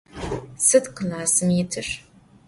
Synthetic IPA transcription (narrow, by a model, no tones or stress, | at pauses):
sɨdqəlaːsɨmjɪtʰɨʂ